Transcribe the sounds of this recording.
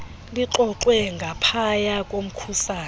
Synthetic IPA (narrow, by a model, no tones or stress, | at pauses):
liǁɔǃwɛŋɡʱapʰajakʼom̩kʰusaːn